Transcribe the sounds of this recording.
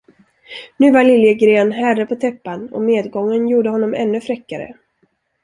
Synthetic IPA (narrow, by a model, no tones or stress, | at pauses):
nʉ̟ːvaɭɪljəɡɾeːnɦærəpʰɔt̪ʰɛpːanɔ̰meːd̪ɡɔŋːənjuːɖəhɔnːɔmɛ̰nːɵfɾɛkːaɾə̰